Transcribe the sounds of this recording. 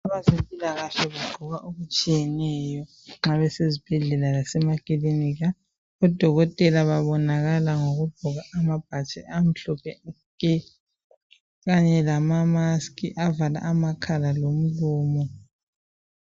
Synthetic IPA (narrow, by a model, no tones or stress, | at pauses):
aβazempʼilaɣaʃɛβuɡ͡ǃʱɔɣaʔuɣut͡ʃʼijɛnɛjɔ | ŋ͡ǁaβɛsezib̥ʱɛɮɛlalasɛmakʼiliniɣa | ɔd̥ʱɔɣɔtʼɛlaβaβɔnaɣalaŋoɣub̥ʱuɣaʔamab̥̚ʱat͡ʃʼɛʔam̩ɬɔpʰɛ | kɛ | ɣaɲɛlamamaskʼiʔavala̰ʔamakʰalalom̩luːmɔ